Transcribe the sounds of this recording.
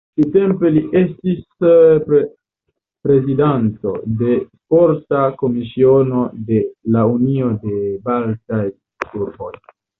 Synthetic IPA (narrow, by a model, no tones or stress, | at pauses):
kitempeliʔestisp | pɾe̞zidanto̞̰de̞ | foɾtako̞misio̞no̞d̪e̞launio̞d̪e̞baltaj | kuɾbo̞̰j